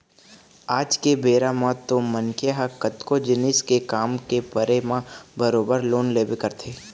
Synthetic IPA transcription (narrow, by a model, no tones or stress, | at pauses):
aːd͡ʒkebeːɾamãt̪õmənkʰeɦakət̪kod͡ʒɪnɪskekaːmkepəɾemãbəɾoːbəɾloːnleːbekəɾt̪ʰeː